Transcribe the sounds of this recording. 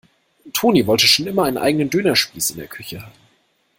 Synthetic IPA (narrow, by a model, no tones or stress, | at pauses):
tʰoːniːvɔltəʃoːnʔɪmɐʔaɪnənʔa̰ɪɡənəndøːnɐʃpiːsɪ̰ndḛːɐkʰʏçəhaːb̚m̩